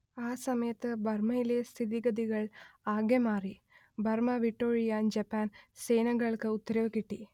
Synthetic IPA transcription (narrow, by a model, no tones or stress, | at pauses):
aːsɐmɐjɐt̪ːɨbʱɐrmɐjilest̪ʰiðiɡɐd̪iɣɐɭaːɡjɐmaːri | bʱɐrmɐʋiʈːoːɻijaːnd͡ʑɐpːaːnseːnɐɣɐɭkɨut̪ːɐɾɐʋɨkiʈːi